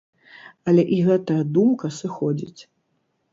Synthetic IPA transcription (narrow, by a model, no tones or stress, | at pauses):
ɐlʲɛʔiɣɛt̪ɐjɐd̪umkɐsɨxɔd͡zʲḭt͡sʲ